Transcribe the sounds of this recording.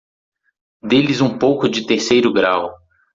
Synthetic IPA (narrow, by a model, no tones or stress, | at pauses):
d̪elɪzũpowkʊd͡ʒɪt̪eɾsejɾʊɡɾaw